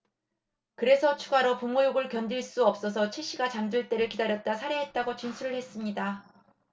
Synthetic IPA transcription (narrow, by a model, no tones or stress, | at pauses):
kɯɾe̞sʰʌt͡ɕʰuɡaɾopumːujoɡɯɭkjʌndiɭs͈uʌp̚s͈ʌsʰʌt͡ɕʰiɕ͈iɡat͡ɕamd͡ʑuɭt͈e̞ɾɯɭkidaɾjʌt̚t͈asʰaɾe̞ɦe̞t̚t͈aɡot͡ɕinsʰuɾɯɭhe̞s͈ɯmɲida